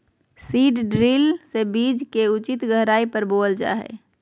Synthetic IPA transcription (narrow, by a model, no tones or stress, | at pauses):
siːɖɖɾilsebiːd͡ʒkeʊt͡ʃɪt̪ɡəɦɾaːipəɾboːld͡ʒa̰ːɦɛ̰